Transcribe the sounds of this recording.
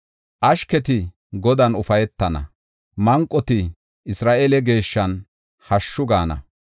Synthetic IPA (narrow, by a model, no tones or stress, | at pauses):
ʔɐʃkɛt̪ɪ | ɡɔd̪ɐnʊfɐjɛt̪ːɐnɐ̰ | mɐŋkʼːɔt̪ɪ | ɪsɾaːʔelɛɡe̞ːʃːɐn | hɐʃːʊɡaːnɐ̰